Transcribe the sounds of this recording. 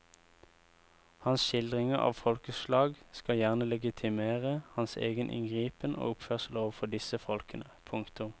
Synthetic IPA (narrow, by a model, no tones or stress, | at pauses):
hɑnsʃɪld̪ʁɪŋəʔɑ̰ːʋfɔlkəslɑːɡskɑjæʁnəlɛɡɪt̪ʰɪmeːʁəhɑnsḛːɡənʔɪ̰ŋɡʁiːpənʔo̰ːʊpføːʁsloːʋfɔd̪ɪsəfɔlkənəpʰʊŋkt̪ʊm